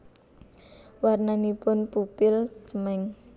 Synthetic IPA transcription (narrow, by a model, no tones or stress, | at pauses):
warnanipʊnpupɪlt͡ʃəmɛŋ